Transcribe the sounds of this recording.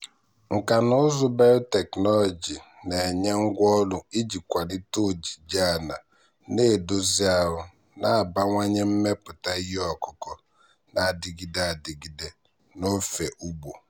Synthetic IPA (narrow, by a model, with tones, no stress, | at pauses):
ŋ̩˨ka˨nʊ˦zʊ˦ba˦ɾʊ˦te˨knɔ˦lɔ˨d͡ʒi˨ | ne˨ɲe˦ŋ̩˦ɡʷɔ˦lʊ˦i˦d͡ʒi˨kʷa˨dɪ˦to˦˨d͡ʒi˨d͡ʒa˦˨na˨ | ne˦˨do˦zi˦a˨ɦʊ˦ | na˦a˨ba˦ŋʷa˦ɲe˦m̩˦me˦pʊ˨ta˦i˦ɦi˦ɔ˨kʊ˦kɔ˦ | na˨dɪ˨ɡi˦da˨dɪ˨ɡi˨de˦ | no˦fe˨ʔu˦bo˨